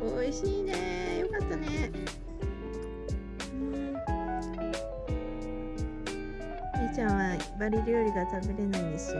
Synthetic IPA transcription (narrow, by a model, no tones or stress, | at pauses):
oiɕiːnejo̞kat̪ːane | ɯ̃ | ɲit͡ɕãɰ̃βabaɾʲiɾʲo̞ːɾʲiɡat̪abe̞ɾe̞naĩnd̪esɨjo